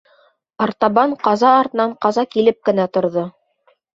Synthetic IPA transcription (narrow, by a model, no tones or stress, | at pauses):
ɑɾt̪ɑβɑɴqɑzɑːɾt̪ɤ̆nɑɴqɑzɑkilɘp̚kɘ̆næt̪ŏɾðɤ